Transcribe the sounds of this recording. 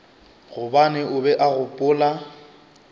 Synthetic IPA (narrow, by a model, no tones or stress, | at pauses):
ɣʊbanɛʊbɛʔaɣʊpʼʊːla